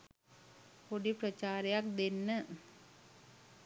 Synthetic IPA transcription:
koɽipɾɐt͡ʃaːɾjak̚d̪enːə

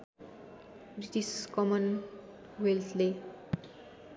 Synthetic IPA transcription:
bɾiʈiskʌmʌn | welt̪ʰle

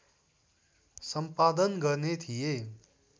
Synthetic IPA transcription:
səmpaːd̪ənɡəɾnet̪ʰije

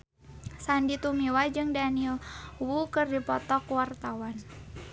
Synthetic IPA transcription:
sandit̪umiwad͡ʒɨŋdanilwukɨrdipɔt̪ɔkwart̪awan

